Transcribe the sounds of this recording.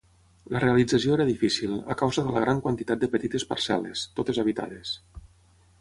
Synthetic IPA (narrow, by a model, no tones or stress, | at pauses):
lərealid͡zəsioeɾəðifisila̰kawzəðələɣɾaŋkwant̪it̪at̪̚d̪əpət̪it̪espə̰ɾsɛ̰lḛst̪ot̪ezaβ̞it̪a̰ðes